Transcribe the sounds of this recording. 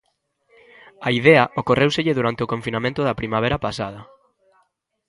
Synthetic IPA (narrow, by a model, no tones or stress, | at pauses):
aiðɛɐʔokorewseʎɪðuɾant̪eokõɱfinamẽnt̪ʊðɐpɾimaβ̞eɾapasað̞ɐ